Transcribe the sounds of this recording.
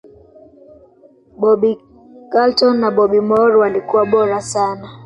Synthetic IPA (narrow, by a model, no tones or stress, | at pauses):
ɓɔɓi | kaltɔnːaɓɔɓimɔɾwalikuwaɓɔɾasana